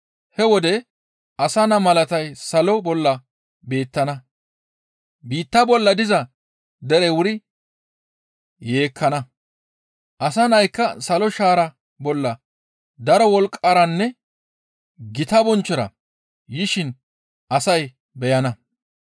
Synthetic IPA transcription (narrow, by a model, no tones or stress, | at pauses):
hɛwɔd̪ɛ | ɐsɐnɐmɐlɐt̪ɐjsɐlɔbɔlːɐ | be̞ːt̪ːɐnɐ | biːt̪ːɐbɔlːɐd̪ɪzɐ | d̪ɛɾɛwʊɾɪ | je̞ːkʰːɐnɐ | ʔɐs̬ɐnɐjkːɐsɐlɔʃaːɾɐ | bɔlːɐ | d̪ɐɾɔwɔlkʼːɐɾɐnːɛ | ɡɪt̪ɐbɔnt͡ʃːɔɾɐ̰ | jɪʃɪn | ʔɐsɐj | bɛjɐnɐ